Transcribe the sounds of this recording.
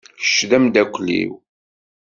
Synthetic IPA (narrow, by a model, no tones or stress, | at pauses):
ə̥ʃðæmd̪ækʷːlḭw